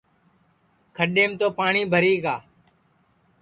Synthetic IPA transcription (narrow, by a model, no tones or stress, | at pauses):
kʰəɗeːmt̪oːpaːɳiːbʱəɾiːɡaː